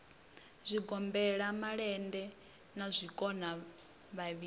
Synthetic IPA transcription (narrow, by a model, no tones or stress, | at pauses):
zʷiɡɔmbɛɺamaɺɛndɛ | nazʷikʼɔna | βaβi